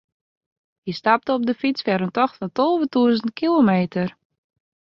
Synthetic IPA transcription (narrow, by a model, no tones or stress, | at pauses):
jistap̚təɔb̚dəfit͡sfɛɾəntɔxtəntolˠvətuəzənt̚kilomeːtʰər